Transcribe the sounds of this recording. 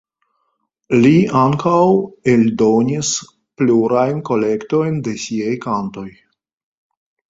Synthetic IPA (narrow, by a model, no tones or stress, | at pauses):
liaŋkawe̞ldo̞nis | pluɾajnko̞le̞kto̞jnde̞siajkanto̞j